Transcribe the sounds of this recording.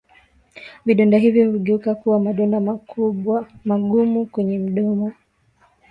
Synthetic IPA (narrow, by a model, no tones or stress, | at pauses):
viɗɔndaɦivjɔhuɠɛukakuwamaɗɔndaauɓwamaɠumukwɛɲɛm̩ɗɔma